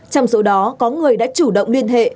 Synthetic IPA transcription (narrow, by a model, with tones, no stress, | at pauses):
t͡ɕɔ˧wŋ͡mso˨˦ɗɔ˨˦kɔ˨˦ŋɨ˨˩əjɗa̰ː˧˥t͡ɕu˧˩ɗə̰˧˨wŋ͡mli˧ənɦḛ˧˨